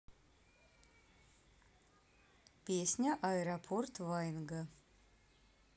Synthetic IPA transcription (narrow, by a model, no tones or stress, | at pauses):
pʲesʲnʲɐʔaeɾapʰort̪ʰvajnɡɐ